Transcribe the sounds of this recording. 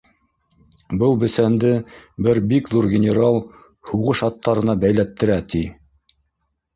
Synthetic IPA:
bɤlˠbɘ̆sænd̪ɘbɘɾbikðuɾɡʲɪnʲɪɾɑlˠ | huʁɤʃɑt̪ːɑɾɤ̆nɑbæjlæt̪ːɘ̆ɾæt̪i

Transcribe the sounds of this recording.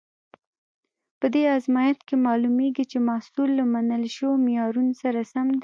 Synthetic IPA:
pəd̪eazmɑjat̪kemɑlumeɡit͡ʃemasulːamanəlʃəwomɪjɑɾunosaɾasamd̪

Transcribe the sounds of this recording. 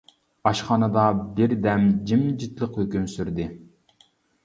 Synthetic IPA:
ɑʃχɑːnɨd̪ɑbɪɾd̪ɛmd͡ʒimd͡ʒit̪lˠəqhøkʲymsyɾd̪ɪ

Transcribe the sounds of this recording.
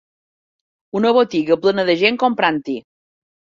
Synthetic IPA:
unəβot̪iɣəplənəðəʒeŋkompɾant̪i

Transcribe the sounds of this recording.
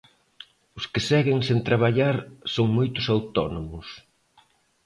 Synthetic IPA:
ʊskɪsɛɣɪŋsent̪ɾaβaʎaɾsoŋmojt̪ʊsawt̪ɔnomʊs

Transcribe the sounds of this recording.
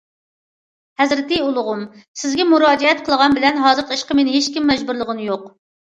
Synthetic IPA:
hɛzɾɪt̪ɪjulˠʊʁʊmsɪzɡʲɛmuɾɑːd͡ʒɛɛt̪̚qʰəlˠəʁɑnbɪlɛnɦɑːzɨɾq̪ʰiʃqəmenɪɦeʃkʲimːɛd͡ʒbuɾlˠəʁənjoq

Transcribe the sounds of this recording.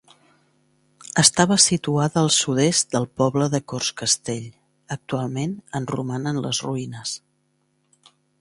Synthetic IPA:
əst̪aβəsit̪uaðəːlˠsuðest̪̚d̪əlˠpɔβləðəkorskəst̪eʎ | ək̚t̪ualˠmenənrumanənlə̰zruinəs

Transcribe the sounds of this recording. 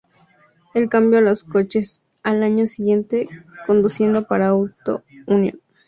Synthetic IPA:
elkambjolosko̞t͡ʃe̞s | alaɲo̞siɣje̞nt̪e̞ko̞nd̪usje̞nd̪o̞paɾauwt̪o̞̰unjõ̰n

